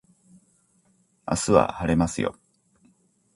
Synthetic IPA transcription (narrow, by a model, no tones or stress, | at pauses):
a̰sɨβa̰haɾe̞masɨjo̞̰